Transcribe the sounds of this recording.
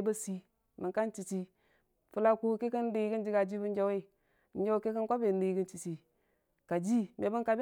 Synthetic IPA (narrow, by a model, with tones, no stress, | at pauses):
bə˦si˦ | mi˨ŋka˦nt͡ʃi˨t͡ʃi˦ | fu˨la˦ku˦ke˦kə˦n˦di˨˦ɡi˦n˦d͡ʒi˦ɡa˨d͡ʒi˦bu˦n˦d͡ʒa˦we˦˨ | nd͡ʒa˦we˦ke˦kə˦nkʷa˦be˨n˦i˨˦ɡə˦nt͡ʃi˨t͡ʃi˨ | ka˨d͡ʒi˦me˨bə˦nka˨b